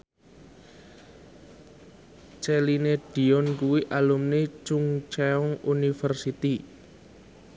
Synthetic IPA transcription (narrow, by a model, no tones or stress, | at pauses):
t͡ʃelineɖ̥i̤ɔnkuwiʔalumnet͡ʃuŋt͡ʃɛɔŋʔunifərsit̪i